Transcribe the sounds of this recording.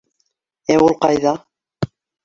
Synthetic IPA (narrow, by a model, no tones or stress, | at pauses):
æulˠqɑjðɑ